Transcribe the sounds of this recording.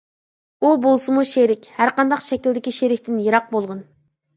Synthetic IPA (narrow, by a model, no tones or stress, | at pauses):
ubolˠsɨmuʃeɾɪkʲhæɾqɑnd̪ɑqʃɛkʲilʲd̪ɪkʲiʃeɾɪkʲt̪ɪnjeɾɑq̚bolˠʁʊn